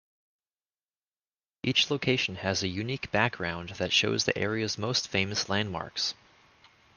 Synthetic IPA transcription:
ʔit͡ʃloʊkʰeɪʃn̩ɨzɨjʉnikb̥æk̚ɡ̥ɹãʊ̃nðɨtʃoʊzðḭʔɛɹiɨzmoʊstfẽɪ̃mɨslæ̃n̚mɑ̰ɹks

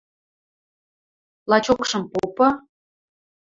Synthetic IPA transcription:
lɑt͡ɕokʃɤ̆mpopɤ̆

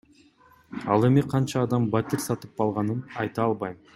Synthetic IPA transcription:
ɑlˠe̞miqʰɑnt͡ʃɑːd̪ɑmbat̪ʲiɾsɑt̪ɯp̚qɑlˠʁɑnɯnɑjt̪ɑːlˠβɑjm

